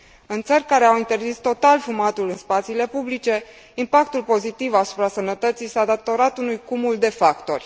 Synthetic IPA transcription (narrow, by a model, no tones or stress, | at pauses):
ɨnt̪sərʲkaɾe̞awint̪erzist̪o̞t̪alfumat̪ulɨnspat̪siːle̞publit͡ʃe̞ | impakt̪ulpo̞zit̪ivasu̥pɾasənət̪ət̪sijsad̪at̪o̞ɾat̪unujkumuld̪e̞fakt̪o̞̰rʲ